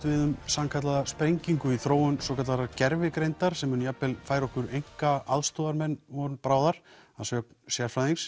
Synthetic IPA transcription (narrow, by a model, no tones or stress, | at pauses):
t̪vɪðʏmsamkʰat̪laðaspɾejɲciŋkʏiθɾoːwʏnsɔkʰat̪laɾacɛɾvɪkɾejnt̪aɾ̥sɛmʏnjapːɪlfaːjɾɔhkʏɾejŋ̥kaaðst̪ɔːðaɾmɛnːvɔnpɾaːwðaɾ̥ | aðsœknsjaɾfɾaðiŋs